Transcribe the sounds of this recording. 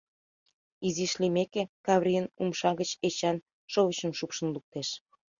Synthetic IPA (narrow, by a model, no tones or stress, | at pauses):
iziʃlimekekɑβrʲijənumʃɑɣət͡ɕet͡ɕɑn | ʃovət͡ɕəmʃupʃə̆nluk̚t̪eʃ